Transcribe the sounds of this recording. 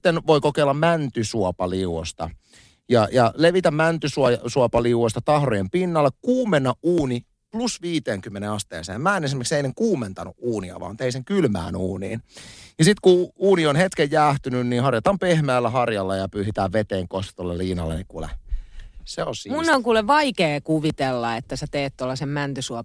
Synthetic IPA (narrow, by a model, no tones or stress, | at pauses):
t̪ːenʋoikokeilːɑmmænt̪ysuopɑliuwost̪ɑ̰ | jɑjɑleʋit̪æmmænt̪ysuɑsuopɑliuwost̪ɑt̪ɑhrojempinːɑlːekkuːmenːɑʔuːni | plusʋiːt̪eːŋkymːeneɑst̪ḛːsḛːmmæːenes̬imerkseinːeŋkuːment̪ɑnuʔʔuːniɑ̰ʋɑ̰ːmnt̪eiseŋkylmæ̰ːnṵːnḭːnjɑsit̪kuuːnionhet̪kejjæːht̪ynynniːhɑrjɑt̪ɑmpehmæːlːæhɑrjɑlːɑjɑpyːsit̪æːʋʋet̪eːŋkost̪ɑ̥t̪olːelːiːnɑ̰lːḛnikulḛ | seolsiːmunːoŋkuːleʋʋɑikeːkuʋit̪elːɑet̪ːæset̪eːt̪t̪olːɑsemmænt̪ysuɑ